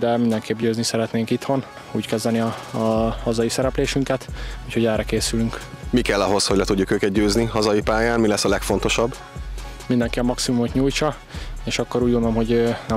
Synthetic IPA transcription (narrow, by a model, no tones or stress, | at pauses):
d̪ɛmind̪ɛŋkʰeːbɟøːznisɛɾɛt̪neːŋkit̪ho̞n | uːckɛzd̪ɛniɒ | hɒzɒjisɛɾɛpleːʃyŋkɛt̪uːcho̞ɟɛːrɛkeːsylyŋkmikɛlːɒɦo̞shoɟlɛt̪uɟːukøːkɛt̪̚ɟøːzniɦɒzɒjipaːjaːnmilɛsːɒlɛkfo̞n̪t̪o̞ʃɒbː | mind̪ɛŋkiɒmɒksimumot̪ɲuːjt͡ʃɒ | eːʃɒkːo̞ɾuːɟɡond̪olomɦo̞ɟnɛ